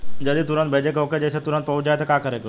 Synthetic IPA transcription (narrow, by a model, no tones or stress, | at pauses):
d͡ʑɐd̪ĩt̪ʊɾə̃nt̪bʱeːd͡ʑekoked͡ʑɐsẽt̪ʊɾə̃nt̪̚pɐɦʊd͡ʑd͡ʑaːɦet̪ɐkaːkɐɾek